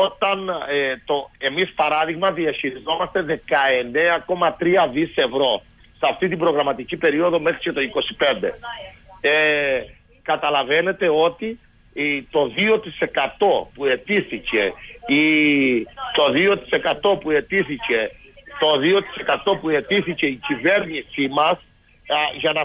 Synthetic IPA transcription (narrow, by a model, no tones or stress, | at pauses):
ot̪ɐnet̪oe̞mispɐɾɐðiɣmɐðiɐçiɾizo̞mɐst̪e̞ðe̞kɐe̞neɐko̞mɐt̪ɾiɐðise̞vɾo̞ | sɐft̪it̪ibɾo̞ɣɾɐmɐt̪icipe̞ɾio̞ðo̞me̞xɾice̞t̪o̞iko̞si̥pe̞nd̪e̞̰ | e | kɐt̪ɐlɐve̞ne̞t̪e̞o̞t̪i | t̪o̞ðio̞t̪ise̞kɐt̪o̞pue̞t̪iθice̞̰i | t̪o̞ðio̞t̪i̥se̞kɐt̪o̞pue̞t̪iθice̞t̪o̞ðio̞t̪i̥se̞kɐt̪o̞pue̞t̪iθice̞icive̞ɾnisimɐs | ʝɐnɐ